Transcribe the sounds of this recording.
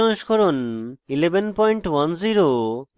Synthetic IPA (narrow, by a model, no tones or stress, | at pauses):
ɔ̃ŋʃkɔɾonilebenpɔjɳʈwanziɾo